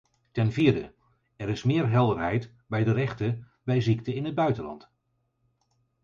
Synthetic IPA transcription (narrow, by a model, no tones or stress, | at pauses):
tɛnviːɹdə̰ | ɛɾɪsmɪːɹɦɛlˠdəɹɦɛjt | bɛjdərɛχtə | bɛjzik̚təɪnɦəd̚bœɥtəlɑ̰nt